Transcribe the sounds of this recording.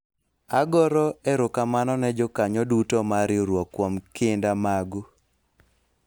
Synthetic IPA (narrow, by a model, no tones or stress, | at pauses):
aɡɔɾɔɛɾʊkamanɔnɛd͡ʒɔkaɲɔdutɔmaɾjoɾwɔkːwɔmkɪndamaɡu